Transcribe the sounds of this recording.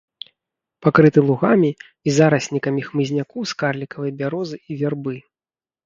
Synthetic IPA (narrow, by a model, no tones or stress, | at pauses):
pakɾɨt̪ɨlˠuɣamʲi | izaɾɐsʲnʲikɐmʲixmɨzʲnʲakɔwskarlʲikɐvɨjɐbʲaɾɔzɨivʲarbɨ